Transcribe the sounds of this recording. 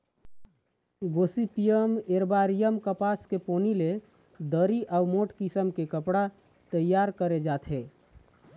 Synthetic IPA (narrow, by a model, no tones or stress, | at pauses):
ɡosipijəmeɾbaɾijəmkəpaskeponile | d̪əɾiʔawmoʈkisəmkekəpɽa | t̪əjːaɾkəɾed͡ʒat̪ʰɦe